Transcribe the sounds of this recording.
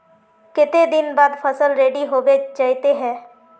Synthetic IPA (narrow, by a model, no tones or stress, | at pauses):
kɪt̪ed̪ɪnbaːd̪pʰəsəlɾeːɖiɦoːbed͡ʒaːit̪eɦɛ̃ː